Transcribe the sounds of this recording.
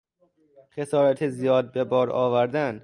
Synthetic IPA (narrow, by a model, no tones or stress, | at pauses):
xe̞sɒːɾæt̪ʰezijɒːd̪̚bebɒːɾɒːvæɾd̪æn